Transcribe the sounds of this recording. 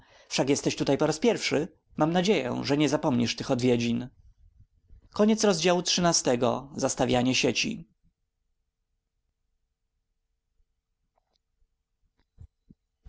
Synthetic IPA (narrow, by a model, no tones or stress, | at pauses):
fʂakjɛst̪ɛɕt̪ut̪ajpɔɾaspʲjɛɾfʂɘ | mamnad͡ʑejɛ̰ʐɛɲɛzapɔmɲiʂt̪ɘxɔd̪vʲjed͡ʑin | kɔɲɛt̪sɾɔzd͡ʑawutʂɘnast̪ɛɡɔ̰zast̪avʲjaɲɛɕet͡ɕḭ